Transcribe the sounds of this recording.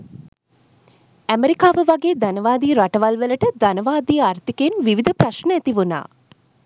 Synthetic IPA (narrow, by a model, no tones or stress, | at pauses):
æmeɾikaːʋəʋaɡeːd̪ænəʋaːd̪iːɾaʈəʋalʋələʈəd̪anəʋaːd̪iːaɾt̪ikenʋiʋid̪ʱəpɾaʃnəæt̪iʋuna̰ː